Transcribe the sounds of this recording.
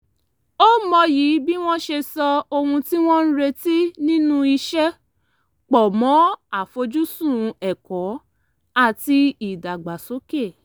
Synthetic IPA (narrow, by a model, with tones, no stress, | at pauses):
o˦mɔ˧ji˨˦bi˦w̃ɔ̃˦ʃe˧sɔ˧o˧hũ˧ti˦w̃ɔ̃˦n̩˦ɾe˧ti˦nĩ˦nũ˦i˧ʃɛ˦ | k͡pɔ˨mɔ̃˨˦a˦˨fo˧d͡ʒu˦sũ˦˨˧ɛ˨kɔ̃˨˦ | a˦˨ti˧i˨da˨ɡ͡ba˨so˨˦ke˦˨